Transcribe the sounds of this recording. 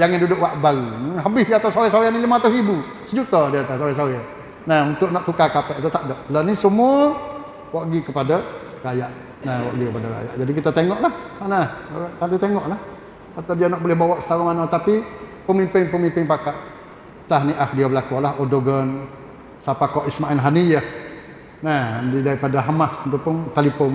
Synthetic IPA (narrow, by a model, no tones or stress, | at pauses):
d͡ʒaŋandudʊʔwaʔbaɾunɦabɪsjaat̪asawɛsaɾanilimat̪ʊɦibu | səd͡ʒut̪adiat̪asoɣɛsaɾɛa | nahunt̪ʊʔnɔʔt̪ukakapɛʔat̪at̪aʔdɔʔlənisəmua | waʔɡikəpada | ɾajaʔ | nahwaʔɡikəpadaɣa̰ja̰ʔd͡ʒadikit̪at̪eŋɔʔlahmanaht̪ant̪it̪eŋɔʔlah | at̪awdianaʔ̚bolɪhbawaʔsə̥t̪aɣumanat̪apipəmimpɪŋpəmimpɪŋpakaʔ̪ | t̪aɦniʔak̚diabəlakualaɦodoɡən | sapakɔʔismaɛlɦanijah | nahdidaɾipadaɦamasənt̪upʊnt̪alipɔn